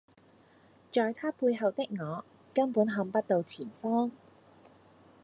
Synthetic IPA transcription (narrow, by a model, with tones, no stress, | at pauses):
t͡ʃɔː˨jt̪ʰaː˥puː˧jɦɐ˨wt̪ɪ˥k̚ŋɔː˨˧ | kɐ˥npuː˨˥nɦɐ˨˧˥ŋpɐ˥t̚t̪o˨˧wt͡sʰiː˨˩nfɔː˥ŋ